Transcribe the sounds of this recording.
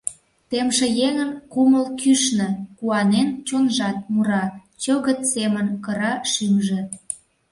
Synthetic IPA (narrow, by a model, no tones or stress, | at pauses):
t̪emʃĕjeŋə̆nkuməlkyʃnə̆kuɑnent͡ɕonʒɑt̪̚muɾɑ | t͡ɕoɣət̪semənkəɾɑʃymʒĕ